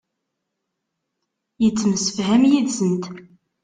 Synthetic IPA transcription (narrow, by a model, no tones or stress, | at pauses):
jət͡sːəmsə̥fɦæmjiðsənt̪